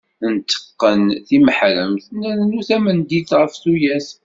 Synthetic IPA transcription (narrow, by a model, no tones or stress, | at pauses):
nt̪ʰːə̥qːənθiməħɾə̰mθnæɾnuθæmənd̪iθʁəfθujæs